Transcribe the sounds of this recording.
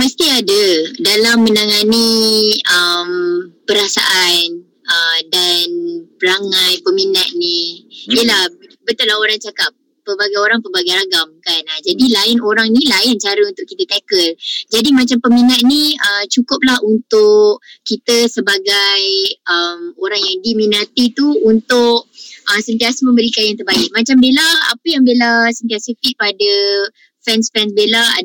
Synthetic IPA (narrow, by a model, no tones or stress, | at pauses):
məst̪iadədalamːə̃naŋani | əmpəɾasa̰ʔan | ədanpəɾaŋajpəminat̪̚niiəlahbət̪ət̪̚laɦoɾaŋt͡ʃakap̚ːəbaɡajoɾaŋpəbaɡajɾaɡamkanad͡ʒadilaɪnoɾaŋnilaɪnt͡ʃaɾəunt̪ʊʔkit̪ət̪ɛkəld͡ʒadimat͡ʃampəminat̪̚niət͡ʃukʊp̚lahunt̪ʊʔkit̪əsəbaɡajʔəmoɾaŋjaŋdiminat̪it̪uunt̪ʊʔ̚ʔəsənt̪iasəmə̃mbəɾikanjaŋt̪̬ərbaɪk̚mat͡ʃambelaa̰pəjaŋbelasənt̪iasəfik̚padə | fɛnsfɛnsbelaa̰